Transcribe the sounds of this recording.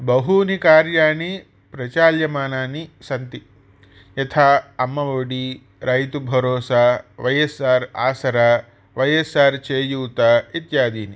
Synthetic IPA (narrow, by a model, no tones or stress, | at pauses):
bɐɦunikaːɾjaːni | pɾɐt͡ʃaːljɐmaːnaːnisɐnt̪i | jɐt̪ʰaːɐmːɐʋoːɽi | ɾɐjt̪ubʱɐɾoːsaːʋɐjesaːɾa̰ːsɐɾa | ʋɐjesaːɾt͡ʃeːjuːt̪ait̪jaːd̪iːni